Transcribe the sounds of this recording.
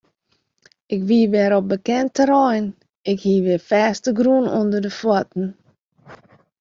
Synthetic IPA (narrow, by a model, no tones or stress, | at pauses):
ɪkʋiːʋɛːɾɔp̚bəkɛntəɾɛjn | ɪkhiːʋɪfɛstəɡrunɔndədəfwɔtn̩